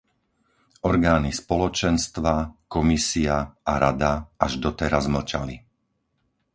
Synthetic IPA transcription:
ɔɾɡaːnispɔlɔt͡ʃɛnst̪ʋakɔmisiaaɾad̪aaʒd̪ɔt̪ɛɾazml̩t͡ʃali

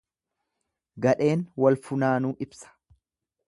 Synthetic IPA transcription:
ɡɐᶑe̞ːnwɐlfʊnaːnuːʔɪbsɐ̥

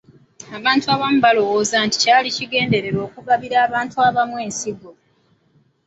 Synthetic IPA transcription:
aβaːntuaβamuβalo̞wo̞ːzaːnti̥caːliciɡe̞ːnde̞ɾe̞ɾo̞ːkuɡaβiɾaːβaːntuaβamwe̞ːnsiɡo̞

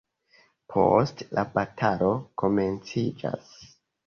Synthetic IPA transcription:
pʰo̞̰stlabatʰalo̞ko̞me̞nt͡sid͡ʒa̰s

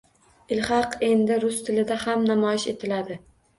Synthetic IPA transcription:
ɪlhɑqe̞nd̪ɪɾʊst̪ʰɪlɪd̪ahamnamɒjɪʃe̞t̪ʰɪlad̪ɪ

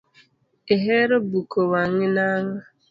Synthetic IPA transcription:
ɪɦeɾobukowaŋɪnaŋa

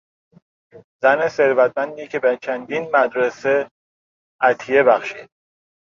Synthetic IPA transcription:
zæneseɾvæt̪̚ʰmænd̪iːcʰe̞bet͡ʃʰænd̪inmæd̪ɾese | æt̪ʰijebæxʃḭːd̪̥

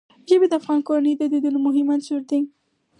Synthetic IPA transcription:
ʒəbed̪əafɣɑnkoɾanəjd̪əd̪id̪unomʊɦɪmansuɾd̪iŋ

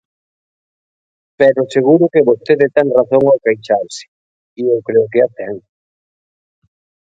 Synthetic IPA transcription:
pɛɾoseɣuɾʊkeβost̪eðet̪ɛŋraθoŋawkajt͡ʃaɾsɪ̥ | iewkɾeʊkeat̪ɛŋ

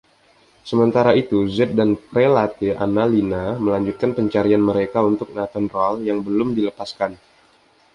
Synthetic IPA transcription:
səmənt̪aɾait̪uzɛt̪̚danpɾelat̪ea̰nalinaməlaɲd͡ʒut̪̚kanpəɲt͡ʃaɾianməɾekaunt̪ʊk̚nat̪anroaljaŋbəlʊmdiləpaskan

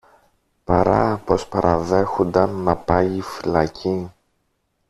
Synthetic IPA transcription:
pɐɾɐ̰po̞spɐɾʔɐðe̞xond̪ɐnːɐpɐːfilɐcʰi

